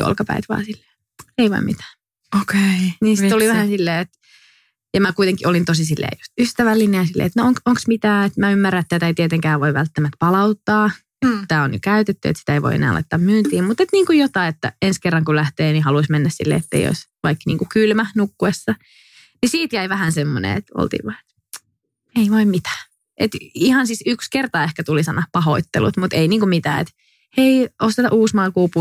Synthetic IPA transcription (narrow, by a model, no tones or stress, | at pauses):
jo̰lkɑpæ̰it̪ʋɑ̰ːnsilːe̥ː | eiʋɑ̰immit̪æ̥ː | okeiniːnsit̪oliʋæhæsilːeːet̪ | jɑmækuit̪eŋkiʔolint̪osisilːḛːjust̪yst̪æʋælːineːsilːḛːet̪nooŋkoŋksmit̪æːet̪mæymːærːæet̪ːæt̪æeit̪iet̪eŋkæːʋʋoiʋælt̪ːæmæt̪̚pɑlɑut̪ːɑː | et̪t̪æːonjo̰kæyt̪et̪ːyḛt̪si̥t̪æeiʋo̰ḭḛnæ̰ːlɑ̰it̪ːɑmmyːnt̪iːmmut̪et̪niːŋkujot̪ɑiet̪ːæ̰enskerːɑŋkullæht̪eːnihɑluismenːæssḭlːḛːet̪ːḛḭjo̰isʋɑiknḭːŋkukylmænukːuesːɑ | nisiːt̪jæiʋæhænsemːonḛḛt̪o̰lt̪ḭːʋʋɑe̥t̪ | eiʋoimmit̪æ̥ː | ʔet̪ihɑnsisykskert̪ɑehkæt̪ulisɑnːɑpɑho̰it̪ːḛlṵt̪mut̪einiːŋkumit̪æ̰ːḛt̪ | eiost̪et̪ɑʔuːsmɑlkuːpu